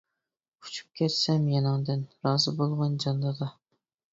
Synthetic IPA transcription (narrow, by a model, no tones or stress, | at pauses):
ʊ̥t͡ʃʰy̥p̚kʲʰæɾsɛmjɑnɑŋd̪ɪnɾɑːzɨbolˠʁɑnd͡ʒɑnd̪ˠɑd̪ɑ